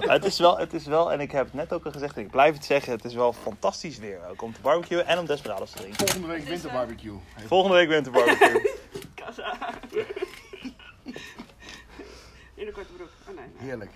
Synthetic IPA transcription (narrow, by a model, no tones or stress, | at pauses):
ətɪsʋɛlˠətɪsʋɛlˠɛ̰nɪkɦɛpətnɛtowkɛχəzɛχtɛnɪɡ̚blɛjfətsɛχənətɪsʋɛlˠfɑntɑstisʋɪːɹowkɔmtəbɑɹbəkjuʔɛnɔmdɛsbəra̰ːdostədrɪŋkəlˠχəndəʋejkʋɪntəbɑɹbikjufɔlˠχəndəʋejkʋɪntəɹbɑɹikukasa | ɪnəkatəbduoneɦɪːɹlək